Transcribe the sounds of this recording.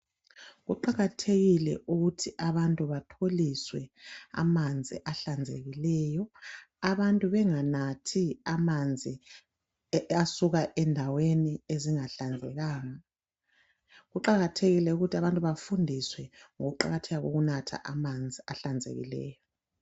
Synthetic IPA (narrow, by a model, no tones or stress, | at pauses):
ɣuǃaɣatʰeɣilɛ̰ʔuɣutʰiʔaβantʼuβatʰoliswɛa̰mand͡zʱḭʔaɬand͡zʱḛɣilɛːjɔ | aβantʼuβɛŋanatʰiamand͡zʱi | asuɣaʔɛndʱawenieziŋaɬand͡zʱɛɣaːŋa | ɣuǃaɣatʰeɣilɛuɣutʰiaβantʼuβafundʱiswɛŋoɣuǃa̰ɣatʰɛɣaɣo̰ɣunatʰa̰ʔamand͡zʱia̰ɬand͡zʱḛɣḭlɛ̰ːjɔ